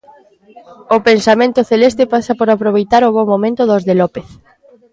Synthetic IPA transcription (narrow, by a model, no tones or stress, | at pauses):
opensamẽnt̪ʊθelest̪epasapoɾapɾoβ̞ejt̪aɾʊβomomẽnt̪ʊðozðelɔpeθ